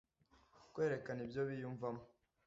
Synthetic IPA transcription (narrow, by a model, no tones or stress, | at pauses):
kwe̞ːɾe̞kanibjo̞βijuɱvamo